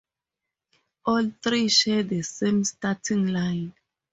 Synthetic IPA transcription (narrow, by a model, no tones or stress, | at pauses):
ɔlθɹiʃɛdəsẽmstatʰĩŋlãjn